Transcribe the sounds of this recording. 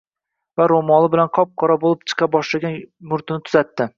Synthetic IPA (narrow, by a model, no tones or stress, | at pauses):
vaɾomɒlˠɪbɪlanqʰɒp̚qʰɒɾabolˠɪp̚t͡ʃʰɨ̥qʰɑbɒʃlaɡʲanmʊɾt̪ʰɪnɪt̪ʰʊzat̪ːɪ